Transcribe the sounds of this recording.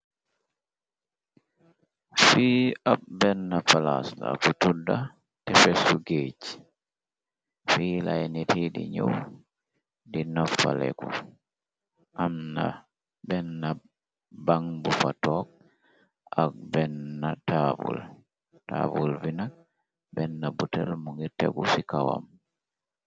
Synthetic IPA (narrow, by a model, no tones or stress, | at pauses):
fiːʔab̚bɛnːafala̰sla̰kutudːa | tɛfɛsːuɡet͡ʃi̥ | fiːlajnitidḭɲow | dinɔfa̰lɛ̰ku | ʔamna̰ | bɛnːa | baŋbufatɔk̚ | ak̚bɛnːatabṵl | ta̰bulvinak̚ | bɛnːabutɛlmuŋɡitɛɡusikawa̰m